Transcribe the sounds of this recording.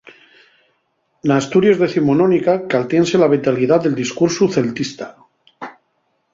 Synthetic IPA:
naːst̪uɾjezðe̞θimononikakalt̪jenselaβ̞et̪aliðaðeld̪iskuɾsuθe̞lt̪ist̪ḁ

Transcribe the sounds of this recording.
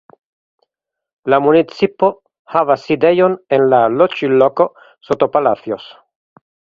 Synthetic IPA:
lamunit͡sipo | havasid̪ejonenlalot͡ʃiloko̞ | sot̪opalat͡sjos

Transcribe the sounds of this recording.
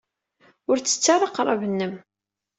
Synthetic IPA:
ʊɾt͡sːə̥t͡sːarˤɑqːɾˤɑvənːəm

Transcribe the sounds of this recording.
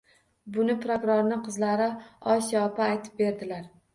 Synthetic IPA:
bʊnɪpɾokɾoɾnɪqʰɨzlaɾɪɒsjɒpaːjt̪ʰɪ̥p̚be̞ɾd̪ɪlaɾ

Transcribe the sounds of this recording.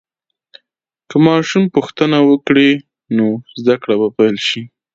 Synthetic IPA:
kəmɑʃumpuxt̪ənawəkɽe | nozd̪akɽabapajlʃi

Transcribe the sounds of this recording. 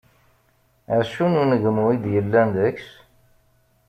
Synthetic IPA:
æɾʃununəʝəmuid̪jəlːænd̪əks

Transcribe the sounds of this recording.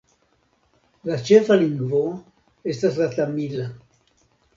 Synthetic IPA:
lat͡ʃefaliŋɡvoa | est̪aslat̪amila

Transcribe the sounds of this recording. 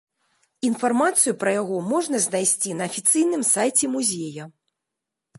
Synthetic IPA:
infarmat̪sɨjupɾɐjaɣɔmɔʐnɐzʲnajsʲt͡sʲinɐːfʲit̪sɨjnɨmsajt͡sʲɛmuzʲejɐ

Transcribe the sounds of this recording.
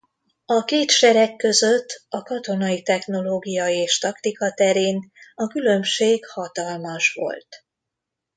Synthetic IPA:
ɒkeːt̪ʃɛɾɛkːø̞zø̞t̪ːɒkɒt̪o̞nɒit̪ɛxno̞loːɡijɒeːʃt̪ɒkt̪ikɒt̪ɛɾeːnɒkylø̞mʃeːɡhɒt̪ɒlmɒʃʋo̞̰lt̪

